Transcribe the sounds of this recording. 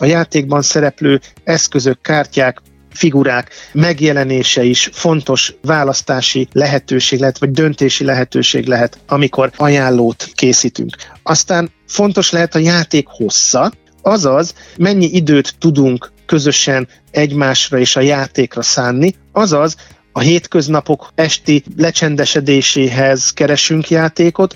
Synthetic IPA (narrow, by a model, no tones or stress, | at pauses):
ɒjaːt̪eːɡ̚bɒnsɛɾɛpløːɛskø̞zøkːaːrcaːk | fiɡuɾaːkmɛɡjɛlɛneːʃɛiʃfo̞nt̪o̞ʃvaːlɒst̪aːʃilɛɦɛt̪øːʃeːɡlɛɦɛt̪ʋɒɟ̚d̪ønt̪eːʃilɛɦɛt̪øːʃḛːɡlɛɦɛt̪ɒmiko̞rɒjaːlːoːt̪keːsiːt̪y̰ŋkɒst̪aːn | fo̞nt̪o̞ʃlɛɦɛt̪ɒjaːt̪eːkho̞sːɒ | ɒzɒzmɛɲːiʔid̪øːt̪ːud̪uŋkːø̞zø̞ʃɛn | ɛɟmaːʃrɒeːʃɒjaːt̪eːkrɒsaːnːi | ɒzɒz | ɒɦeːt̪kø̞znɒpo̞kɛʃt̪ilɛt͡ʃɛnd̪ɛʃɛd̪eːʃeːɦɛzkɛɾɛʃyŋkjaːt̪eːko̞t̪